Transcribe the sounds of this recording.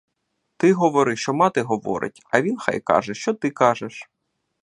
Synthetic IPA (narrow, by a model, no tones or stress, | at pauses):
t̪ɪɦɔʋɔɾɪʃt͡ʃɔmɑt̪ɪɦɔʋɔ̰ɾɪ̰tʲɐ̰ʋʲinxɑ̰jkɑ̰ʒɛʃt͡ʃɔt̪ɪkɑʒɛʃ